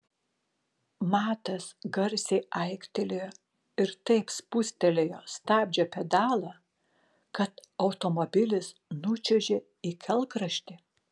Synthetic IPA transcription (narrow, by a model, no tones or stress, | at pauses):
mɑːt̪ɐsɡɐɾʲsʲeɪʔɐɪkt̪ʲɛlʲejoː | ɪɾt̪ɐɪpspʊsʲt̪ʲɛlʲejoːst̪ɑːbʲd͡ʒʲɛpʲɛd̪ɑːlˠɐ | kɐt̪ɐʊt̪omobʲɪlʲɪsnʊt͡ʃʲɛʒʲe | ikʲʰɛlˠkɾɐʃʲt̪ʲɪ